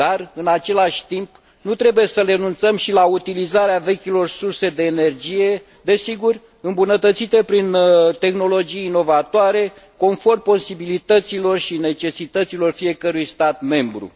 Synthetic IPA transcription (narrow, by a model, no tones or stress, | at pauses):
arɨnat͡ʃe̞laʃʲt̪imp | nut̪ɾe̞buje̞səre̞nunt̪səmʃilaut̪ilizaɾeave̞kʲilo̞rsurse̞d̪e̞ːne̞rd͡ʒije̞ | d̪e̞siɡur | ɨmbunət̪ət̪sit̪e̞pɾint̪e̞xno̞lo̞d͡ʒijːno̞vat̪oaɾe̞ko̞nfo̞rmpo̞sibilit̪ət̪silo̞rʃine̞t͡ʃe̞sit̪ət̪silo̞rfije̞kəɾujst̪at̪me̞mbɾṵ